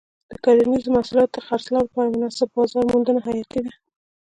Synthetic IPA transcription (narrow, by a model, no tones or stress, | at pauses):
d̪̥əkɑɾanizomasulɑt̪əxaɾslawpɑɾamʊnɑsɪb̚bɑzɑɾmund̪ənaɦajɑt̪id̪a